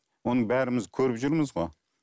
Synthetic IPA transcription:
wo̞nəɴbæɾɪmɪzkʲʰɵɾɪpʒʊɾməzʁo

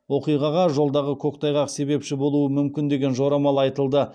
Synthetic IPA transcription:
wo̞qijʁɑʁɑʒo̞lˠd̪ɑʁəkʲʰo̞kt̪ɑjʁɑqse̞βe̞pʃɪbo̞lˠuəmʏmkʲɪnd̪e̞ɡʲe̞nʒo̞ɾɑmɑlˠɑjt̪əlˠd̪ə

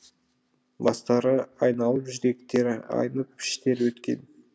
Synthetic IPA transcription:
bɑst̪ɑɾəɑjnɑlˠəpʒɪɾe̞k̚t̪e̞ɾɪɑ̰jnəpʰɪ̥ʃt̪e̞ɾwɵt̪kʲe̞̰n

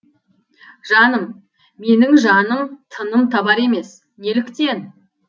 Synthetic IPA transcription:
ʒɑnəmː | e̞nɪŋʒɑnəmt̪ʰənəmt̪ʰɑbɑɾe̞me̞s | ne̞lɪkt̪e̞n

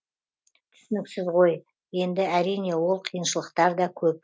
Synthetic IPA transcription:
t̪ʰʏ̥sɪnɪksɪzʁo̞j | je̞nd̪ɪæɾijne̞wo̞lˠqʰijənʃəlˠəqt̪ɑɾd̪ɑkʲʰɵp̚

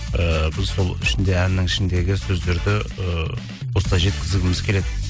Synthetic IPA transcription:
əbɪzso̞lˠɪ̰ʃɪnd̪e̞ænːɪŋɪʃɪnd̪e̞ɡʲɪsɵzd̪e̞ɾd̪ɪə | wost̪ɑʒe̞t̪̚kʲɪzɪɡʲɪmɪzkʲʰe̞le̞d̪ɪ

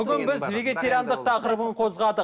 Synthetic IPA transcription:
ʏɡʲɪnbɪzve̞ɡʲe̞t̪e̞ɾijand̪əq̚t̪ʰɑqəɾəbəɴqʰo̞zʁɑd̪ə

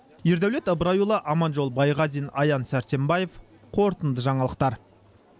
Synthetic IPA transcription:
je̞ɾd̪æwle̞t̪əbəɾɑjulˠɑʔɑmɑnʒo̞lˠbɑjʁɑzijnɑ̰jɑnsæɾt̪e̞mbɑje̞f | qʰo̞ɾt̪ənd̪əʒɑɴɑlˠəq̚t̪ɑɾ

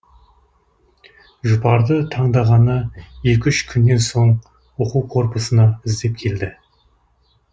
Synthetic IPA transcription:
ʒʊpɑɾd̪ət̪ʰɑɴd̪ɑʁɑnəje̞kʲʏʃkʲʰʏnːe̞nso̞ɴ | woquwqʰo̞ɾpəsənɑɪzd̪e̞p̚kʲʰe̞ld̪ɪ

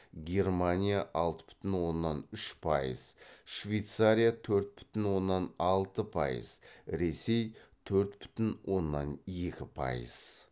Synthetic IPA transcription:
ɡʲe̞rmanʲijaʔɑlˠt̪ə̥b̥ʏ̥t̪ɪnwo̞nːɑnʏʃpʰɑ̰jə̰z̥ʃvejt̪saɾʲijat̪ʰɵɾt̪̚bʏ̥t̪ɪnwo̞nːɑnɑlˠt̪əpʰɑ̰jə̰z̥ɾe̞se̞jt̪ʰɵɾt̪bʏ̥t̪ɪnwʔo̞nːɑnje̞kʲɪpʰɑ̰jə̰z̥

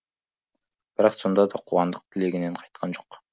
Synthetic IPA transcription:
b̥ɪɾɑqsond̪ɑd̪ɑqʰuwɑnd̪ɯq̚t̪ʰɪleɡineɴqʰɑjt̪̚qʰɑnd͡ʒoq

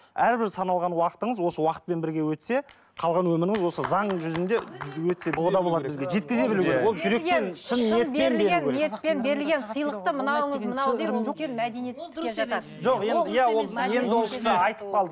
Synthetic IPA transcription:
æɾbɪɾsɑnɑlˠʁɑnwɑqə̥t̪əɴəzwo̞səwɑqə̥t̪̚pe̞nbɪɾɡʲe̞wɵt̪se̞ | qʰɑlˠʁɑnwɵmɪɾɪŋɪzwo̞səzɑɴʒʏzɪnd̪e̞wɵt̪se̞bʊʁəd̪ɑbolˠɑd̪əbɪzɡʲe̞ʒe̞t̪̚kʲɪze̞bɪluɡʲewolˠʒʏɾe̞kenʃɪnet̪penlɾenet̪penbe̞ɾɪlɡʲensəjlˠəq̚t̪əmənɑwəɴəzmnɑenmæd̪enijet̪e | ʒo̞qje̞nd̪jæwwolˠje̞nd̪ɪwolˠksəɑjt̪ə̥p̚qʰɑlˠd̪ə

